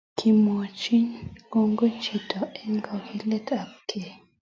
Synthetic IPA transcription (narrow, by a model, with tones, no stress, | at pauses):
kʰi˨mo˨t͡ʃi˦ɲko˦ŋɡo˦t͡ʃi˨tɔ˨ɛ˦ŋɡa˨hi˦˨lɛ˦tʰa˨p̚kʰe˨